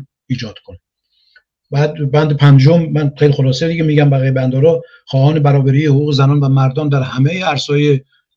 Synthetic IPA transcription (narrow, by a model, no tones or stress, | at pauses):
iːd͡ʒɒːd̪kʰon | bæːd̪bænd̪epʰænd͡ʒomːænχejlixolɒːsed̪iɡʲemiːɟæmbæɣiːjebænd̪ɒːɾɒː | xɒːhɒːnebæɾɒːbæɾiːehoʁuːɣezænɒːnvæmæɾd̪ɒːnd̪æɾhæmejeæɾsɒːje